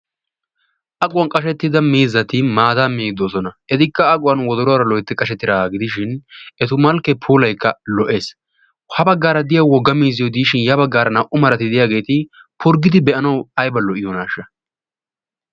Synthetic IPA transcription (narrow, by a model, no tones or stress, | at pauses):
ʔɐkʼʊwɐnkʼɐʃ̬ɛt̪ːɪd̪ɐmiːzːɐt̪ɪmaːd̪aːmiːɡd̪oːsɔnɐʔɛt̪ɪkːɐːkʼʊwɐnwɔd̪ɔɾɔaɾɐlɔjɪt̪ːɪkʼɐʃ̬ɛt̪ːɪɾaːɡɪd̪ɪʃ̬ɪnɛt̪ʊmɐlkːɛpʰuːlɐjkʰːɐlɔʔe̞ːs | hɐbɐɡːaːɾɐd̪ɪjɐwwɔɡːɐmiːzɪjɔd̪iːʃɪnjɐbɐɡːaːɾɐnɐʔʊmɐɾɐt̪ɪd̪ɪjaːɡe̞ːt̪ɪ | pʊɾɡɪd̪ɪbɛʔɐnɐwɐjbɐlɔʔɪjonaːʃːɐ